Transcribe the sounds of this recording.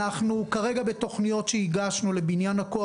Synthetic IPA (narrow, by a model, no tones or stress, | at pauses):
aχnukaʁe̞ɡabe̞to̞χnijo̞tʃeiɡaʃnule̞binjanhako